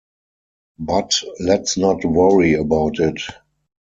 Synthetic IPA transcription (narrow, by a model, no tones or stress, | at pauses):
batlɛtsnɔtwʌɹiəbaʊtɪt